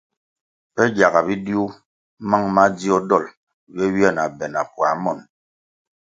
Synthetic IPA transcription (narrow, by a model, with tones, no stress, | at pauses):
pɛ˦ɡja˨ɡa˨bi˦di˦u˦ | ma˦ŋma˦d͡zi˦ɔ˦dɔ˦˨l | wɛ˦wi˦a˦˨na˨bɛ˨na˨pwa˨˦mɔ˦˨n